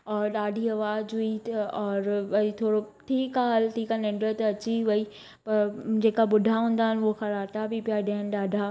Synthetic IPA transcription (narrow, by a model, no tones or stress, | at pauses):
ɔːɾɗaːɖʱiɐʋaːd͡ʑʊit̪ɔːɾɐit̪ʰoːɽoʈʰiːkaɦɐlʈʰiːkanɪ̃ɳɖɾət̪ɐt͡ɕiʋɐi | pɐɾd͡ʑeːkaɓʊdʱaɦũːnd̪aːɦɪnɪʊɦoxɐɾaːɾt̪abipijaɗãɦənɪ̆ɗaːɖʱa